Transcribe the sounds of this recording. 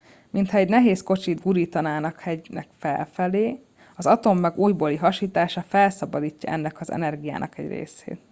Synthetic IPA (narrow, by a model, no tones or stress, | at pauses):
mint̪hɒɛɟnɛɦeːsko̞t͡ʃid̪ɡuɾiːt̪ɒnaːnɒkhɛɟnɛ̰kfɛ̰lfɛleː | ɒzɒt̪o̞mːɛɡuːjboːliɦɒʃiːt̪aːʃɒfɛlsɒbɒd̪iːcːɒ̰ʔɛ̰nːɛkɒzɛ̰nɛrɡija̰ːnʔɒ̰kɛ̰ɟrḛːsḛːt̪